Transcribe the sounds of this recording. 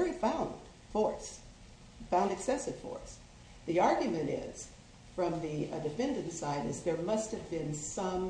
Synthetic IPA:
vɛɹifãʊ̃nd̥ | fɔɹs | fãʊ̃ndɨksɛsɨv̥fɔ̰ɹs | ðiɑɹɡjɨmɨ̃ɾ̃ɪ̰z̥ | fɹʌ̃mðidɨfɛ̃ndɨ̃ntsaɪɾɨzðə˞mʌst̚hɨvbɪ̃nsʌ̃m

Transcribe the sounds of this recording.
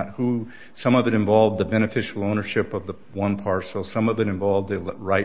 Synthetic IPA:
t̚hu | sʌ̃mʌvɨɾɨ̃ɱvɑlˠvðɨbɛñɨfɪʃl̩ˠõʊ̃nə˞ʃɪpʌvðə | wʌ̃npʰɑɹsl̩ˠsʌ̃mʌvɨɾɨ̃ɱvɑlˠvðɨɹaɪ

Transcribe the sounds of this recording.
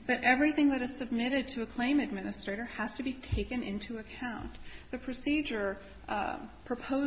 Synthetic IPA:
ðɨɾʔɛvɹiθɪ̃ŋðɨɾɨz̥sɨb̚mɪɾɨd̚tʰɨːkʰl̥ẽɪ̃mɨd̚mɪ̃nɨstɹ̥eɪɾə˞ɨz̥tʰɨbitʰeɪkɨ̃nʔɪ̃ntʰuɨkʰãʊ̃nðɨpʰɹ̥ɨsid͡ʒə˞ | pʰɹ̥ɨpʰoʊ

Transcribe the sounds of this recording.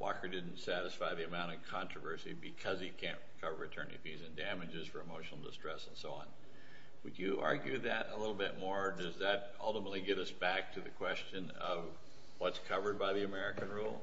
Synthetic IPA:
wʔɑ̰kə˞dɪdⁿn̩tsæɾɨsfaɪðiɨmãʊ̃ɾ̃ʌv̥kʰɑ̃nt͡ʃɹ̥əvɜ˞sibɨkʰʌzikʰæ̃nʔɹɨkʰʌvə̰˞ɨtʰɜ̰̃˞nḭfizɨ̃ndæmɨd͡ʒɨz̥fə˞ɨmoʊʃn̩l̩ˠdə̰stɹ̥ɛsn̩soʊɑ̰̃n | wɨd͡ʒɨʔɑ̰ɹɡjʉðɨɾə̰lɪɾl̩ˠbɪt̚mɔɹdʌzðɨɾʔʌ̰lˠtəmətˡliɡɛɾʌsb̥æk̚tʰɨðɨkʰw̥ɛst͡ʃɨ̃n | ʌ̰v | wʌtskʰʌvə˞d̚baɪðiɨmɛɹɨkɨ̃nɹulˠ

